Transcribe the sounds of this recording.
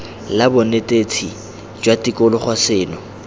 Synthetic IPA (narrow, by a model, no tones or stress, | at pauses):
labʊnetʼet͡sʰi | d͡ʒwatikʼɔlɔχwasɪːnɔ